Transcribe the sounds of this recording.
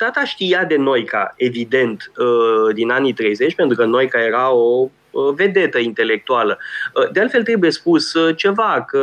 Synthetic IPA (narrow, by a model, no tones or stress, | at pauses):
t̪at̪aʃt̪ijad̪e̞no̞jka̰e̞vid̪e̞nt̪əd̪inanit̪ɾe̞jze̞t͡ʃʲpent̪ɾukəno̞jkaje̞ɾao̞ | əve̞d̪e̞t̪əint̪e̞le̞k̚t̪ualəd̪ealt̪felt̪ɾe̞buje̞spust͡ʃe̞vakə